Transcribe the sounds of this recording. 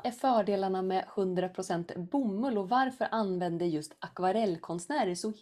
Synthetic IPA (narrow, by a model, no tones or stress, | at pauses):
æɾfœːɖeːlaɳamɛhɵnd̪ɾapʰɾʊsɛnt̪bʊmːɵlɔvaɾfœɾʔanvɛnd̪əjɵst̪akvaɾɛlːkʰɔnsnæːɾəʂɔ